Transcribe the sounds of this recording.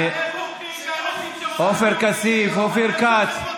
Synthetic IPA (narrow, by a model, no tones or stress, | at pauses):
oːfɛɾkɐsiːfofiɾkaːt̪